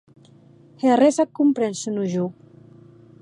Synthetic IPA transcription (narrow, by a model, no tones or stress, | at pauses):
heresakːumpɾɛnsunuʒo